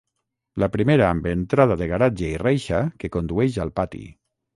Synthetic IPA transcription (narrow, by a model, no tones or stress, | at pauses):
lapɾimeɾaambent̪ɾað̞aðeɣaɾad͡ʒeirejʃakekond̪uɛʃalˠpat̪ḭ